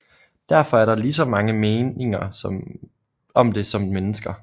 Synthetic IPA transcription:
d̥æɐfɒ̽æɐɾɑ̈lis̬ɒ̽mɑ̈ŋəme̝ːne̝ŋɐsɒm | ɒ̽md̥e̝sɒ̽mmenəsɡ̥ɐ

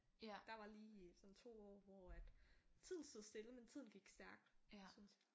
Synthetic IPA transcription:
d̥ɑ̈ʋɑ̈liːsɒ̽nt͡sʰo̝̰ːɒ̰ːʋɒæd̥t͡sʰið̰ˠn̩sd̥o̝ðˠsd̥e̝ləment͡sʰið̰ˠn̩ɡ̥iɡ̥sd̥æɐɡ̥̚d̥syns

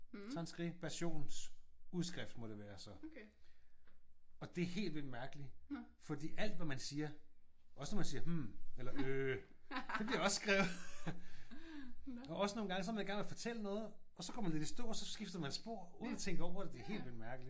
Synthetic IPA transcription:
t͡sʰɑnsɡ̥ʁipʰæɐɕo̝̰ːnsuð̞ˠsɡ̥ʁɛfd̥mɒ̽ɾ̥e̝ʋæːɐsɒ̽ | ɒ̽d̥e̝æɐhe̝̰ːld̥ʋel̰dmæɐɡ̥əli | fɒ̽d̥ḭːæl̰d̥ʋæmænsiːɐʔɒ̽sənɒmænsiːɐmm̩elɐø | d̥eb̥liɐɒ̽ssɡ̥ʁɛ̰ːʊð̩ˠ | ɒ̽ʔɒ̽səno̝ːnɡɑ̈ŋəs̬ɒ̽æmænjɡ̥æɐŋnʋeɐfɒ̽t͡sʰel̰ənɔ̽ːð̞̩ˠɒ̽sɒ̥ɒ̰mænt͡sed̥isd̥o̝ɐ̰sɒ̽sɡ̥ifd̥ɐmænesb̥o̝ɐ̰uːðˠnæt͡sʰeŋ̰ɡ̥əɒʊ̰ɐd̥ed̥e̝æɐɦe̝̰ːld̥ʋeld̥mæɐɡ̥əli̥

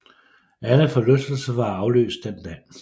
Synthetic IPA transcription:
æləfɒ̽lɔsd̥l̩səʋɑ̈ɑ̈ʊlø̰ːsd̥end̥ɛ

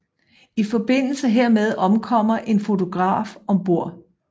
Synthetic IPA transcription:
ifɒ̽b̥e̝n̰l̩səɦeɐ̰með̞ˠɒ̽mkʰɒ̽m̰ɐʔe̝nfo̝t͡sʰo̝ɡ̥ʁɑ̰̈ːfɒ̽mb̥o̝ɐ̰

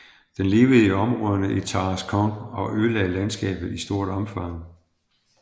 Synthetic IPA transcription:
d̥enle̝ːʊð̩ˠiɒ̽mʁɔðˠɐnəʔit͡sʰɑːskʰɒ̽ŋɒ̽ʔølɛɪlænsɡ̥ɛ̰ːb̥ð̩ˠisd̥o̝ːɐɾ̥ɒ̽mfɑ̈ŋ̰

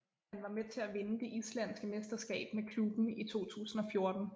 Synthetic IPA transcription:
hænʋɑ̈met͡sʰe̝æʋe̝nəd̥e̝ʔislæn̰sɡ̥əme̝sd̥ɐsɡ̥ɛ̰ːb̥mekʰlub̥n̩it͡sʰo̝̰ːt͡sʰṵːsn̩ɒ̽fjo̝ɐd̥n̩

